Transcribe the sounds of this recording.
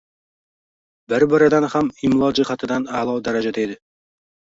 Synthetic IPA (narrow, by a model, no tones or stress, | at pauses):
bɪɾbɪɾad̪anhamɪmlˠɒd͡ʒɪhat̪ʰɪd̪analˠɒwd̪aɾad͡ʒad̪ejd̪ɪ